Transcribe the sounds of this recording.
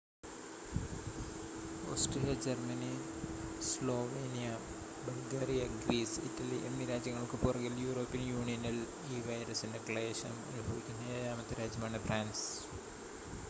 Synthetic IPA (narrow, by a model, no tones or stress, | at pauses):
oːsʈrilijɐd͡ʑɐrmɐni | slo̞ːʋeːnijɐ | bɐlɡeːɾijɐɡɾiːsḭtːɐliʔemːiɾaːd͡ʑjɐŋːɐɭkɨpurɐɣiljuːɾoːpːijɐnjuːɳijɐnɐl | iːʋɐjɾɐsindekɭɐjeːʂɐnmɐ̰lubʱɐʋikʲːindejajaːmɐt̪ːɐɾaːd͡ʑjɐmaːɳɨfraːns